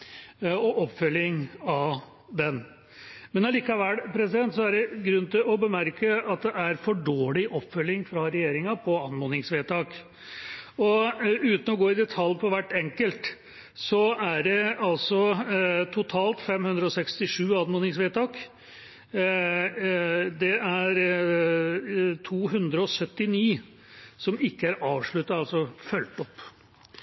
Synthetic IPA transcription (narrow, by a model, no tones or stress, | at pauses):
ɔʔɔpːfœlːɪŋɑ | d̪ɛn | mɛnɑliːkɑʋælːpʰɾɛsɪd̪ɛnt̪sɔæɖɛɡɾʉnːt̪ʰɪlɔbəmæɾkəɑt̪̚d̪ɛʔæɾfɔɖoːɭɪʔɔpːfœlːɪŋfɾɑɾɛjeːɾɪŋɑpʰɔɑnmʊnɪŋsʋeːt̪ʰɑːk | ɔʉːt̪n̩ɔɡoːɪd̪ɛt̪ʰɑlpʰɔʋæʈːɛŋkəlt̪ | sɔæɖɛɑlsɔt̪ʰʊt̪ʰɑːlt̪fɛmhʉnd̪ɾəɔsɛkst̪ɪʂʉːɑnmʊnɪŋsʋeːt̪ɑːk | d̪ɛæɾ | t̪ʰuːɦʉnd̪ɾəɔsœt̪ːɪniː | sɔmɪkːəæɾɑːʋʂɭʉt̪ːɑtɑlsɔfœlt̪ɔpː